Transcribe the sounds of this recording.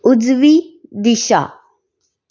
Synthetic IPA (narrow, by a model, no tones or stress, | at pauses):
ʊd͡zʋid̪iʃa̰